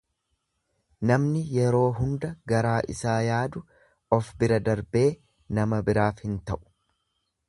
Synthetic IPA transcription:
nɐmnɪjɛɾo̞ːɦʊnd̪ɐɡɐɾaːʔɪ̰saːjaːd̪ʊ | ɔfbɪɾɐd̪ɐɾbe̞ː | nɐmɐbɪɾaːfhɪnt̪ɐʔʊ̥

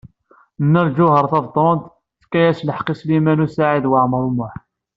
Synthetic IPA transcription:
nːælʒʊhəɾˤθɑvt̪ˤond̪ | θkːæjæsləħqislimænusaʕid̪wəʕmɾˤumʊħ

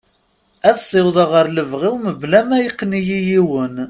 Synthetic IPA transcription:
æðsˤɪwðˤɑʁəɾləvʁiwməblæmæjiqːnijijiwən

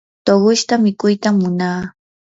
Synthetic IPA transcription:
t̪oɢʊʃt̪amɪkʊjt̪amːʊnaː

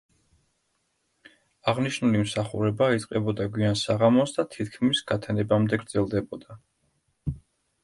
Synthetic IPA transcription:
aʁniʃnulimsaχṵɾɛbait̪sʼqʼɛbɔd̪aɡwiansaʁamɔsd̪at̪ʰit̪ʰkʰmisɡ̥at̪ʰɛnɛbamd̪ɛɡɾd̪zɛlˠd̪ɛbɔd̪a

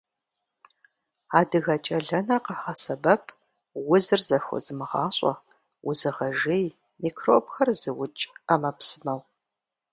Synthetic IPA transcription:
aːdɨɣɐt͡ʃʼɐɮɐnɨrqəħasɐbɐpʰ | wʊzɨrzɐxʷʊ̰zɨmɨʁɑːɕʼɔ̰ | wʊzɨʁɐʒej | miːkʰroːpxɐrzɨwʊt͡ʃʼɐmɐpsɨmɐw

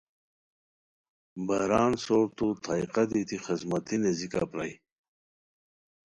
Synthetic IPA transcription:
baɾaːnsoːɾt̪ut̪ʰajqad̪it̪ixizmat̪ʰinezika̰pɾaj

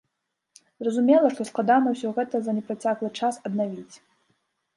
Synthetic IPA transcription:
zrɐzumʲɛlˠɐʂt̪ɔsklˠad̪anɐwsʲɔɣɛt̪ɐzɐnʲɛpɾat͡sʲaklˠɨt͡ʂasɐd̪navʲit͡sʲ

